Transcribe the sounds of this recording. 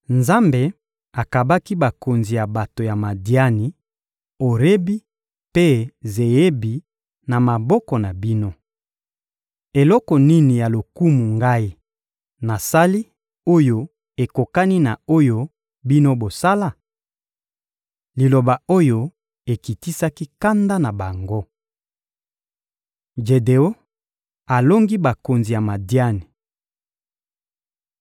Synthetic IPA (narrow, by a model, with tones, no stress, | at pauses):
nza˦mbe˨ | a˨ka˨ba˦ki˦ba˨ko˨nzi˨ja˨ba˨to˨ja˨ma˨di˦a˦ni˨ | o˨ʁe˦bi˦ | pe˦ze˨je˦bi˨ | na˨ma˨bɔ˦kɔ˨na˨bi˦no˦ | e˨lɔ˦kɔ˨ni˦ni˨ja˨lo˨ku˦mu˨ŋɡa˦i˦ | na˨sa˦li˦ | o˦jo˦ | e˨ko˨ka˦ni˦na˨o˦jo˦ | bi˦no˦bo˨sa˦la˦˨ | li˨lo˨ba˨o˦jo˦ | e˨ki˨ti˦sa˦ki˦ka˦nda˦na˨ba˨ŋɡo˦ | ʒe˨de˨o˦ | a˨lo˦ŋɡi˦ba˨ko˨nzi˨ja˨ma˨dja˦ni˨